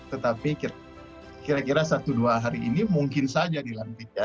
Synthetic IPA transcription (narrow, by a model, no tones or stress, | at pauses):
t̪ət̪apiki | kiɾakiɾasat̪uduaɦaɾiʔːnimuŋkɪnsad͡ʒadilant̪ik̪̚ja